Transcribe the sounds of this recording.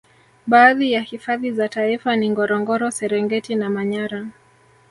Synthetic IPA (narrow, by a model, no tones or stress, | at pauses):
ɓaːðijahifaðizataifaniŋɡɔɾɔŋɡɔɾɔsɛɾɛŋɡɛtinamaɲaɾa